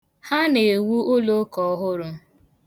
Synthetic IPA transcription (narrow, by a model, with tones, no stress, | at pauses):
ha˦ne˨wu˦o˦lo˦kɔ˨˦ɦʊ˦ɾʊ˦